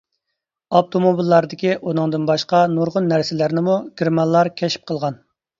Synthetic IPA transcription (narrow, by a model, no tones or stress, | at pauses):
ɑp̚t̪ʰomobilˠːɑɾd̪ɪkʲiʔunɨŋd̪ɨnbɑʃqɑnuɾʁʊnːæɾsɪlæɾnɪmuɡʲiɾmɑnlːˠɑɾkʲʰɛʃi̥p̚qʰəlˠʁɑn